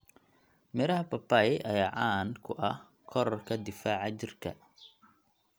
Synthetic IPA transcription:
mɪɾɐɦɐpɐpɐjʔɐjaːʕɑːnkʰʊʔɐh | kʰɔɾɔrkʰɐd̪ɪfaːʕɑt͡ʃɪrkʰɐ̰

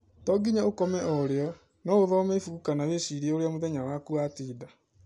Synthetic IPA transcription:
tɔɡiɲaokɔmɛʔɔɾeɔ | nɔoðɔomefukanaweɕiɾieoɾeamoðɛɲawakuatiːda

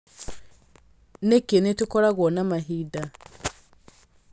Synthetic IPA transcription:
nekenetukɔɾaɣwɔnamaɦida

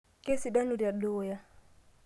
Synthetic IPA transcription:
kesiɗanudiadɔwja

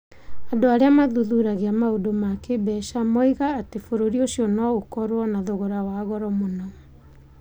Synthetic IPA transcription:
andoaɾeamaðuðuɾaɣeamaodomakebɛʃamɔiɣaːtefoɾoɾioʃiɔnɔɣokɔɾwɔnaðoɣoɾawaɣɔɾɔmonɔ

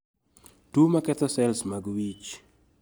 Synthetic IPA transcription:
tumakɛt̪ɔsɛlsmaɡwit͡ʃ

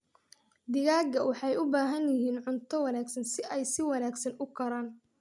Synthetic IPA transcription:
d̪ɪɣaːɡɐwɑħɑjʊbaːɦɐnjɪɦiːnʕʊnt̪ʰɔwɑnaːɡsɐnsɪʔɛjsɪwɑnaːɡsɐnʊkʰɐɾaːn

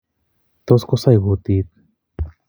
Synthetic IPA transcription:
t̪oskosajɣut̪it̪̚

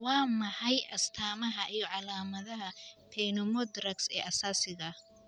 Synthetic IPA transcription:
wɑːmɐħɑjʔɐst̪ʰaːmɐɦɐʔijɔʕɑlaːmɐðɐɦɐp̪ʰɛːnɔmɔd̪rɐksɛ̰ːʔɐsaːsɪɣɐ

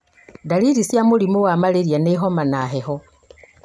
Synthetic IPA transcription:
daliɾisjamulimuwamaleɾjaneɦomanaɦeho

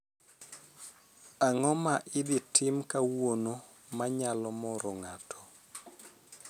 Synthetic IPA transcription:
aŋɔmaʔɪdɪtʰɪmkawono | maɲalɔmɔɾɔŋatʰɔ̥

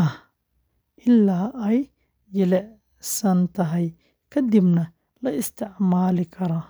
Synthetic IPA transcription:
ɐh | ʔɪlːaːɛj | jɛlɛʕ | sɐnt̪ʰɐɦɛj | kʰɐd̪ɪbnɐ | lɐɪst̪ʰɪʕmaːlɪkʰɐɾɐː

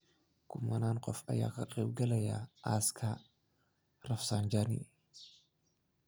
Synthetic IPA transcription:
kʰʊmɐnaːŋqʼɔfɐ̰ja̰ːkʰɐqʼeːb̚ɡɐlɐja̰ʔaskʰɐ | rɐfsaːnd͡ʒanḭ

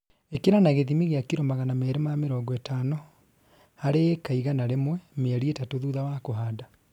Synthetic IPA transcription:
ekeɾanaɣeðimiɣeakiɾomaɣanamɛɾemameɾɔɡɔɛtanɔ | haɾeːkaiɣanaɾemwɛmeɛɾietatoðuðawakoɦada

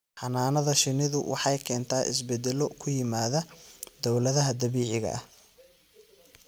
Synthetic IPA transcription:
ħɑnaːnɐðɐʃɪnɪðʊwɑ̰ħɑjkʰɛːnt̪ʰaːʔɪ̰s̬bɛd̪ɛlɔkʰʊjɪmaːðɐd̪ɔwlɐðɐɦɐd̪ɐβiːʕɪɣɐ̰ʔɐh

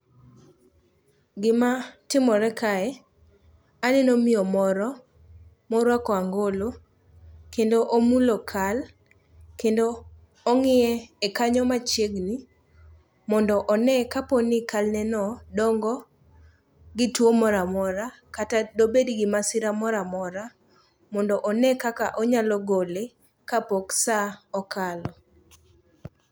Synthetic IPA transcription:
ɡɪmatɪmɔɾɛkaɛ | anɛnomɪɔmɔɾɔ | mɔɾwakɔaŋɡolo | kendoʔomulokʰal | kendoː | ŋɪɛːkaɲɔmat͡ʃeɡni | mɔndɔʔɔnɛkapɔnɪkalnɛnɔdɔŋɡɔ | ɡɪtwomɔɾamɔɾa | katadobedɡɪmasɪɾamɔɾamɔɾa | mɔndɔʔɔnɛkaka̰ʔɔɲalɔɡole | kapɔksaɔkalɔ

